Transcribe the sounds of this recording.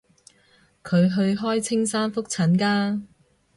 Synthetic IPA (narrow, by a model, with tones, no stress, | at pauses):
kʰɵ˨˧ɥɦɵ˧ɥɦɔː˥jt͡sʰɪ˥ŋsaː˥nfʊ˥k̚t͡sʰɐ˨˥nkaː˥